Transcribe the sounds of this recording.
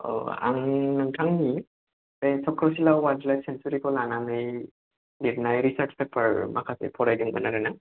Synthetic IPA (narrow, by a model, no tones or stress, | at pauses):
o̰a̰ŋnɯŋtʰaŋni | tesɔkɾɔsilawadlajtsensuɾikɔlanamej | dit̚najɾisəɾt͡ʃpʰepʰəɾmakʰasḛpʰɔɾajdiŋbə̰naɾana